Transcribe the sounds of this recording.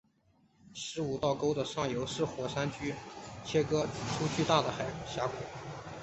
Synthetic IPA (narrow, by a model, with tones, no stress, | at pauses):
ʂɻ̩˧˥u˨˩t̪ɑ˥˩ʊko˥ʊd̪ə˨ʂɑ˥˩ŋjo˧˥ʊʂɻ̩˥˩xwɔ˧˥ʂa˥nt͡ɕy˥t͡ɕʰjɛ˥kɤ˥ʈ͡ʂʰu˥t͡ɕʰy˥˧t̪a˥˩d̪ə˩xa˨˩ɪɕja˧˥kṵ˨˩˦